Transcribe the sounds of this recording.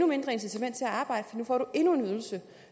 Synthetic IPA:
nume̝nd̥ʁɐe̝nsit͡sʰæmen̰̥t͡sʰe̝æɑ̈ːb̥ɑ̈ɪ̰dəfɒ̽dinufɒ̰ːɾ̥ue̝nue̝nyð̞ˠl̩sə

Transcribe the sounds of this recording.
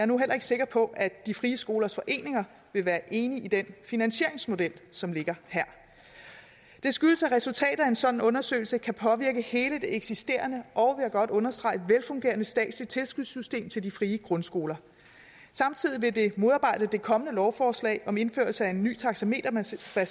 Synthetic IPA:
æɐnuɦel̰ɐe̝ɡ̥se̝ɡ̥ɐpʰɒ̽ʔæd̥ifʁiːəsɡ̥o̝ːlɐsfɒ̽ʔe̝̰ːne̝ŋɐ | ʋe̝ʋæːɐʔe̝ːniʔid̥enfinænɕe̝̰ɐ̰eŋsmo̝d̥el̰sɒ̽mle̝ɡ̥ɐhæɐ̰ | d̥e̝sɡ̥yðl̩səæʁɛsult͡sʰɛ̰ːd̥̩ˠæe̝nsɒ̽d̥n̩ɔ̽nɐsø̰ːɪlsəkʰæpʰɒ̽ʋiɐɡ̥əhe̝ːləd̥e̝eɡ̥sisd̥e̝̰ːɐnəʔɒ̽ʊʋeɐɡ̥ɒ̽d̥ɔ̽nɐsd̥ʁɑ̈ɪəʋelfɔ̽ŋɡ̥e̝ːɐnəsd̥ɛ̰ːd̥sli̥t͡sʰe̝lsɡ̥uðˠsysd̥e̝̰ːmt͡sʰe̝ldifʁiːəɡ̥ʁɔ̽nsɡ̥o̝ːlɐ | sɑ̈mt͡sʰið̞̰ˠiʋe̝d̥e̝mo̝ðˠɑ̈ːb̥ɑ̈ɪ̰d̥əd̥e̝kʰɒ̽mənəlɒʊfɒːslɛ̰ɪʔɒ̽me̝nfø̰ɐlsəæe̝nːy̰ːt͡sʰɑ̈ɡ̥sæme̝̰ːd̥ɐb̥æ

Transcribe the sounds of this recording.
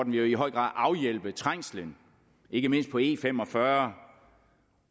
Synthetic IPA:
d̥n̩ʋiiɦɒ̽ɪ̰ɡ̥ʁɑ̰̈ːðˠʔɑ̈ʊjel̰b̥ət͡sʰʁaŋ̰slən | e̝ɡ̥əme̝n̰sd̥pʰɒ̽e̝̰ːfem̰ɒ̽fɶɐ

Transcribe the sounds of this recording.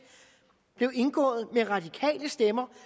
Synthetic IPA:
b̥le̝ʊe̝nɡ̥ɔ̰̽ːð̩ˠmeʁɑ̈d̥ikʰɛ̰ːləsd̥emɐ

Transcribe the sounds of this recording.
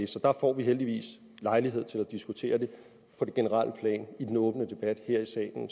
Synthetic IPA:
sɒd̥ɑ̈fɒ̰ːʋiɦeld̥iʋḭːs | lɑ̈ɪliɦe̝ð̰ˠt͡sʰe̝læd̥isɡ̥ut͡sʰe̝̰ːɐd̥e̝ | pʰɒ̽d̥e̝ɡ̥e̝nəʁɑ̈l̰əpʰlɛ̰ːnid̥enɔ̽ːb̥nəd̥e̝b̥æd̥heɐ̰isɛ̰ːln̩

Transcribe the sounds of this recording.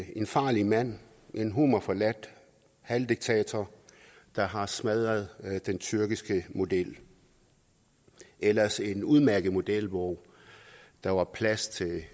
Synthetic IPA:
e̝nfɑ̈ːlimæn̰ | ʔe̝nɦumɐfɒlæd̥ | hæld̥iɡ̥̚t͡sʰɛ̰ːt͡sʰɐ | d̥ɑ̈ɦɑ̈smæð̞ˠɐð̞̩ˠd̥ent͡sʰyɐɡ̥isɡ̥əmo̝d̥el̰ | ʔelɐse̝nuðˠmæɐɡ̥əð̩ˠmo̝d̥el̰ʋɒ | d̥ɑ̈ʋɑ̈pʰlæst͡sʰe̝l

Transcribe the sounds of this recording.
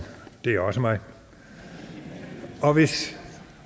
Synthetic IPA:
d̥e̝æɒ̽səmɑ̈ɪ | ɒ̽ʋe̝s

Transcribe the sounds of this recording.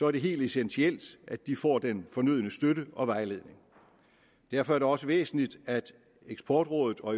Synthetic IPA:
sɒ̽æɐd̥e̝ɦe̝̰ːld̥esensʰiel̰d̥ʔæ̥d̥ifɒ̰ːd̥enfɒ̽nyð̰ˠnəsd̥øɾəɒ̽ʋɑ̈ɪle̝ð̰ˠne̝ŋ | d̥æɐfɒ̽æɐɾ̥e̝ɒ̽səʋḛːsn̩lid̥æd̥ | eɡ̥sb̥ʰɒːd̥ʁɔ̽ːðˠð̩ˠɒ̽

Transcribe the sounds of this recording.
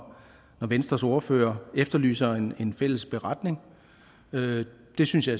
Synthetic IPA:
nɒʋensd̥ʁɐsɔɐfø̰ːɐefd̥ɐly̰ːsɐene̝nfel̰əsb̥e̝ʁɑ̈d̥ne̝ŋ | ø | d̥e̝synsjɑ̈æ

